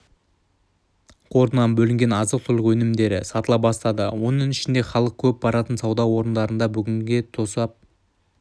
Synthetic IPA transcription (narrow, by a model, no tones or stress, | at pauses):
qʰo̞ɾənɑnbɵlɪŋɡʲe̞nɑzəqt̪ʰʊlˠəqwɵnɪmd̪e̞ɾɪ̰sɑt̪əlˠɑp̚bɑst̪ɑd̪əwo̞nəŋɪʃɪnd̪e̞χɑlˠəq̚kʲʰɵp̚bɑɾɑt̪ənsɑwd̪ɑwo̞ɾənd̪ɑɾənd̪ɑbʏɡʲɪŋɡʲe̞t̪ʰo̞sɑp̚